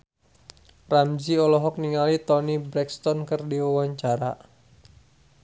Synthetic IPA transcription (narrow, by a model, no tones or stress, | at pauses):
ramd͡ʒiɔlɔɦɔk̚niŋalit̪ɔnibɾɛkst̪ɔnkərdiwawaɲt͡ʃaɾa